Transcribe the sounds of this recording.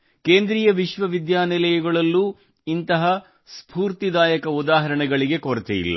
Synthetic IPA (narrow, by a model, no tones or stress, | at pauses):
keːnd̪ɾiːjɐʋiʃʋɐʋid̪jaːnɛlɛjɐɡɐɭɐlːu | int̪ɐɦɐ | spuːɾt̪id̪aːjɐkɐud̪aːɦɐɾɐɳɛɡɐɭiɡe̞koɾɐt̪ɛ̰jḭlːɐ̰